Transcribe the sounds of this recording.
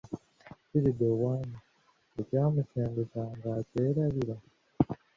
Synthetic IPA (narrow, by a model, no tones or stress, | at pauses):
ciɾidowaːmi | ecaːmuseːŋɡusaŋɡaceːɾaβiɾa